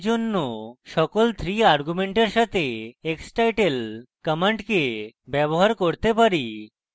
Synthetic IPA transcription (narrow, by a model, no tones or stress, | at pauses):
d͡ʑonːoʃɔkolt̪ʰɾiaɾɡumeɳʈeɾʃat̪eeksʈajʈelkəmeɳʈkebɛboɦaɾkoɾt̪epaɾi